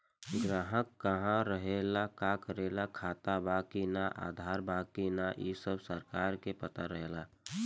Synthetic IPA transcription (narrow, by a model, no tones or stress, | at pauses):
ɡɾaːɦəkːəɦãɾəɦelakakəɾelakʰaːt̪abakinaʔa̰d̪ʱaɾbakinaʔḭsəbsəɾkaɾkepət̪aɾəɦela